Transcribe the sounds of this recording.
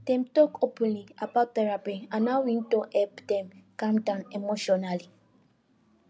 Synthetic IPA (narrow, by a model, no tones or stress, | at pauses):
d̥ɛ̃mtɔkopɛ̃nliabat̚tɛɹapiãnawĩntõʔɛpdɛ̃mkãmdãnemoʃɔnali